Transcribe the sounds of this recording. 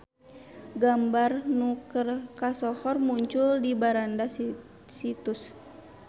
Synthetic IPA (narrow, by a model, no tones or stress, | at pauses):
ɡambarnukərkasɔhɔrmuɲt͡ʃʊldibaɾandas | sit̪us